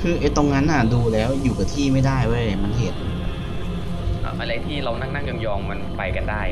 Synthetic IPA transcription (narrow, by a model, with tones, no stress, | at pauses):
kʰɯː˧ʔa˧˩t̪o˧ŋna˦˥nʔa˨˩duː˧lɛː˦˥wjuː˨˩ka˨˩t̪ʰiː˥˩ma˥˩jdaː˥˩jwa˧˥˩ɾa˧˩a˨˩jma˧nɦe˨˩t̪̚a˦˥˩ | ʔa̰˧˩ʔa˧ɾa˧jt̪ʰiː˥˩ɾa˧wna˥˩ŋna˥˩ŋja˧mjɔː˧ŋma˧npa˧jka˧ndaː˥˩j